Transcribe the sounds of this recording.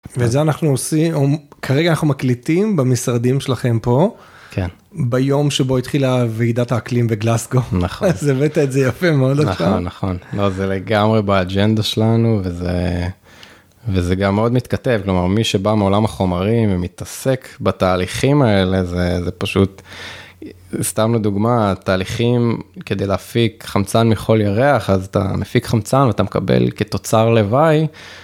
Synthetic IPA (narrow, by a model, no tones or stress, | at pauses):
vezeanaχnuosimokʰaʁeɡaːnaχnumaklitimbamisʁad̪imʃelaχe̞mpo̞ | kʰen | bajo̞mʃebo̞it̪χilaveid̪ataːklimveɡlasɡonaχzevet̪aetzejafemeod̪onanːaχo̞nlo̞zeleɡamʁebaːd͡ʒend̪aʃelanuveze | vezeɡamːeo̞d̪mit̪kate̞vklomaʁmiʃe̞bameo̞lamaχo̞maʁimvemit̪ase̞kbataːliχimae̞le̞zezepaʃut | st̪amled̪uɡmat̪aːliχimke̞d̪ejleafikχamt͡sanmiχo̞ljaʁeaχazat̪a̰mefikχamt͡sanveat̪amekabḛlket̪o̞t͡saʁle̞vaj